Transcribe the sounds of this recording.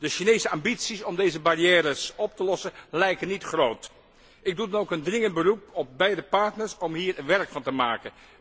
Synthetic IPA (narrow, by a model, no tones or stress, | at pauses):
d̥əʃinejsəambitsisɔmdejzəbarijɛːɾəsɔp̚təlɔsənlɛjkənːitχrowt | ɪɡ̚dudɑnowkəndrɪŋənd̚bərupɔb̚bɛjdəpɑɹtnəɹsɔmɦiːɹʋɛɹkfɑntəmaːkən